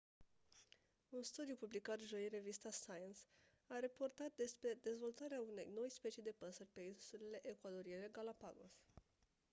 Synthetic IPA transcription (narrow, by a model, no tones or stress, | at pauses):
unst̪ud̪jupublikat̪ʒo̞jire̞vist̪asajens | aɾapo̞rt̪at̪̚d̪e̞spɾe̞d̪e̞zvo̞lt̪aɾeaune̞̰jno̞jspe̞t͡ʃijd̪e̞pəsərʲpe̞insulele̞ʔekwad̪o̞ɾiele̞ɡalapaɡo̰s